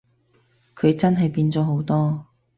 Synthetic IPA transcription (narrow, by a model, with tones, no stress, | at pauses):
kʰɵ˨˧ɥt͡sɐ˥nɦɐ˨jpiː˧nt͡sɔː˨˥ɦo˨˥wt̪ɔː˥